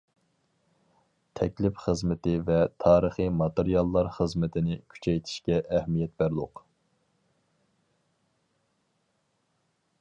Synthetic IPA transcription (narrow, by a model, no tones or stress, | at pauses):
t̪ʰɛkʲlɪpχəzmɪt̪ɪvɛt̪ʰɑːɾəχɨmɑt̪eɾijɑlˠːɑɾχəzmɪt̪ʰɪnɪkʲʰy̥t͡ʃʰɛjt̪ʰɪ̥ʃkʲɛʔːhmijɛt̪̚bæɾlˠʊq